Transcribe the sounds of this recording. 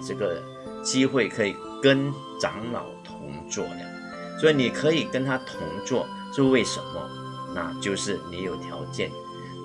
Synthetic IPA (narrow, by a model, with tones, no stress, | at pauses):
ʈ͡ʂɤ˥˩ɡə˩ | t͡ɕi˥xwe˥˩ɪkʰɤ˧˥i˨˩ | kə˥n | ʈ͡ʂɑ˧˥ŋlɑ̰˨˩ʊt̪ʰʊ˧˥ŋt͡swɔ̰˥˩ə̰˩ | swɔ˧˥i˨˩ni˨˩kʰɤ˧˥i˨˩kə˥nt̪ʰa˥t̪ʰʊ˧˥ŋt͡swɔ̰˥˩ | t͡ɕjʊwe˥˩ɪʂə̰˧˥nmə̰˧ | na̰˥˧t͡ɕjo˥˧ʊʂɻ̩˥˩ni˨˧˥jo˨˩ʊt̪ʰjɑ˧˥ʊt͡ɕjɛ̰˥˩n